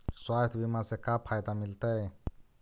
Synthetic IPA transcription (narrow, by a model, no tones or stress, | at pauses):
swat̪bimasekapʰajt̪amilt̪ej